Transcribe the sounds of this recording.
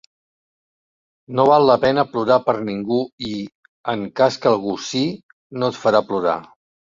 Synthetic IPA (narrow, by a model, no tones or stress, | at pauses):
noβ̞alˠːəpɛnəpluɾapəɾniŋɡui | əŋkaskəlˠɣ̞usi | not̪fəɾapluɾa̰